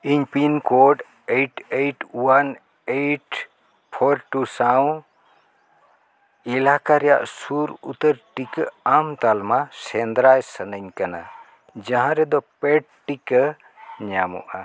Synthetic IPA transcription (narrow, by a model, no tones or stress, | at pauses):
iɲpinkoɖ | ejʈeʈwan | ejʈ | pʰoɾʈusaw̃ | ilakaɾɛja̰ʔsuɾṵt̪əɾʈikamt̪almasɛnd̪ɾajsənəɲkana̰ | d͡ʒãɦãɾɛd̪ɔpeʈ̚ʈikə | ɲamṵʔa